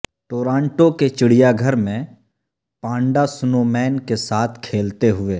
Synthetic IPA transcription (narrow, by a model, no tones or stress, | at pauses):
ʈoːɾãːɳʈõket͡ʃɪɽ̤ijaɡʱəɾmẽ | pãːɳɖasʊnomɛːnkesaːt̪ʰkʰeːlt̪eɦʊeː